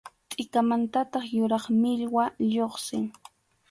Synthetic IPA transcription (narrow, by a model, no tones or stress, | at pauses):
t̪ʼɪkamant̪at̪ɑχjʊɾɑχmɪʎwaʎoχsɪŋ